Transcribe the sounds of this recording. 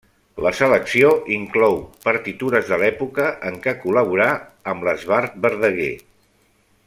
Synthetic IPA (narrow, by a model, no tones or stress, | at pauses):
ləsələksioʔiŋklɔwpəɾt̪it̪uɾəzðəlɛpukəʔəŋkəkuləβuɾaəmləzβaɾt̪̚bəɾðəɣe